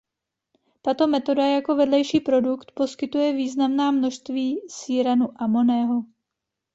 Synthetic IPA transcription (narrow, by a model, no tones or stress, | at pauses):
t̪at̪o̞mɛt̪o̞dajako̞vɛdlɛjʃiːpɾo̞dukt̪po̞skɪt̪ujɛviːznamnaːmno̞ʃst̪viːsiːɾanuʔamo̞nɛːɦo